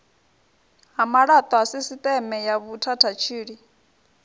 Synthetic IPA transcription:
ɦamaɺat̪ʼwasisit̪ʼɛmɛjaβutʰatʰat͡ʃʰiːɺi

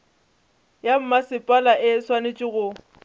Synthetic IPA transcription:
jam̩masɪpʼalaʔɪswanet͡ʃʼɪɣʊ

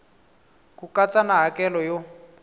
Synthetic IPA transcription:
kukat͡sanaɦakʼɛlɔjo

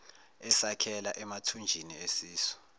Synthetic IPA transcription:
ɛsakʰɛlaʔɛmatʰund͡ʒʱiniesiːsɔ̥

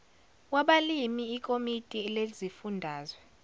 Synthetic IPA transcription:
waɓalimiːkʼomitʼilezifundʱaːzwɛ

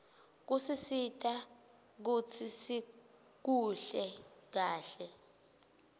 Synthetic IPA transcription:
k̬usisitʼa | k̬ut͡sʰisi | k̬uɬɛk̬aːɬɛ

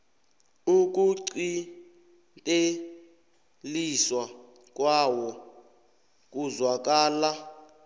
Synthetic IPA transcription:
uk̬ʼuǀi | tʼe | liswa | k̬ʼwawɔ | k̬ʼuzwak̬ʼaːla

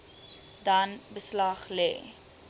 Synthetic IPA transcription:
dɐnbəslɐχlɛ̰ː

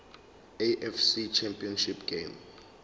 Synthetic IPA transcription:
eʔɛfsit͡ʃʰɛmpʼiɔnʃipɡ̥em

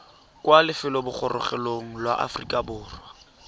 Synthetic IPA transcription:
kwalɪfɪlɔbʊk͡xʰɔrʔʊ̰χɛloŋ̩lwaʔa̰frikʼabʊːrwa

